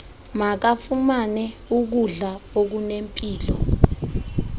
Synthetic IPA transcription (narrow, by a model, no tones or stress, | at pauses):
mak̬afumanɛuk̬uɮaok̬unempʼiːlɔ